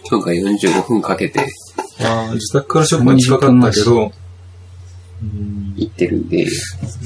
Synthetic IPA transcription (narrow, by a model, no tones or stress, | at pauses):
kʲoŋɡajõ̞ɲ̟d͡ʑɨːɡo̞ɸɯ̟̃ŋkake̞t̪e̞̰ | aːd͡ʑɨt̪akɯ̟̥kaɾaɕokɯaɲiçi̥kakanːake̞d̪o̞ | ɯ̃it̪ːe̞ɾɯ̟̰̃nd̪e̞̰